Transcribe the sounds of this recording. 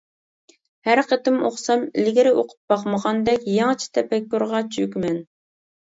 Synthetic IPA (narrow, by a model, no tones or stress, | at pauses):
hæɾqʰet̪ɪmoχsɑmɪ̰lɡʲiɾɪʔoqʰʊ̥p̚bɑqməʁɑnd̪ɛkʲjɑŋt͡ʃʰi̥t̪ʰɛpɛkʲːuɾʁɑt͡ʃʰykʲmɛn